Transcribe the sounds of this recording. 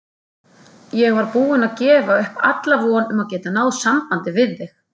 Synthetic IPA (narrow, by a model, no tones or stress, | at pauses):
jɛɣvaɾpuːɪnaðcɛːvaʏhpa̰t̪lavɔnʏmaðcɛːt̪anaːwðsampant̪ɪvɪðːɪx